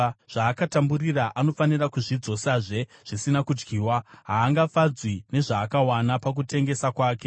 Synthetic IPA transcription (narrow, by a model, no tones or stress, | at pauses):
ʐ̥aːkatamburiraʔano̞fanirakuʐid͡zo̞saʐe̞ʐ̥isinakud͡ʒɡiːwaɦaːŋɡafad͡zwine̞ʐaːkawanapak̬ute̞ŋɡe̞sakwaːke̞